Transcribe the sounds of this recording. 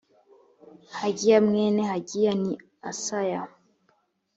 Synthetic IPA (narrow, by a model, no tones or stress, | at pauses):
haɡijamŋɛnɛhaɡijani | asaja